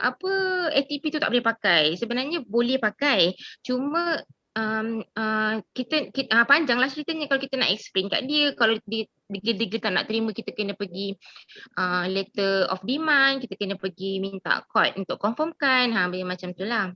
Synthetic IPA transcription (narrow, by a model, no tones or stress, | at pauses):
ʔa̰pəɛt̪ipit̪ut̪aʔbolɛhpakajsəbənarɲəbolɛhpakajt͡ʃumə̃ | ʔəməkit̪əkiapaɲd͡ʒaŋlahsɾit̪əɲəkalawkit̪əna̰ʔɛksplenka̰ʔdiəkaladiə | dəɡədəɡət̪aʔna̰ʔt̪əɾimə̃kit̪əkənə̃pəɡiʔəlet̪əlɔ̰fdimãnkit̪əkənə̃pəɡimint̪a̰ʔkɔt̪̚unt̪ʊʔkːɔmfɔmkanɦãbajəmat͡ʃamt̪ulah